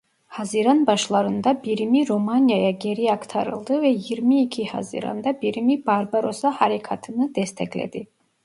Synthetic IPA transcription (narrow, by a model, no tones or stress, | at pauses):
haziɾanbaʃlˠaɾɯnd̪abiɾimiɾomanjajaɟeɾiakt̪ʰaɾɯ̰lˠd̪ɯvɛjiɾmiːcʰiha̰zḭɾa̰nd̪abiɾimibaɾbaɾo̞sahaɾikʰat̪ʰɯnɯd̪ɛst̪ʰɛclʲḛd̪i